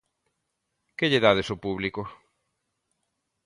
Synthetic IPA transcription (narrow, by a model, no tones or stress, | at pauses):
keʎeðaðesopuβliko